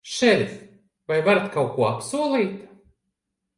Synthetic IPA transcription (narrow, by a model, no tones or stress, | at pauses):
ʃɛɾʲs | vajvaɾat̪kawkuɔapsuɔlˠiːt̪